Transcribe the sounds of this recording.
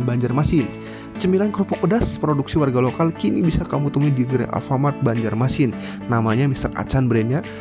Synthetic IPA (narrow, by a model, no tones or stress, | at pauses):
nbaɲd͡ʒarmasɪn | t͡ʃəmilankɾopukudaspɾoduksiwarɡalokalkinibisakamut̪əmuidiɡəɾḛʔa̰lfamat̪̚baɲd͡ʒarmasɪnː | amaɲamist̪əra̰t͡ʃanbɾɛnɲa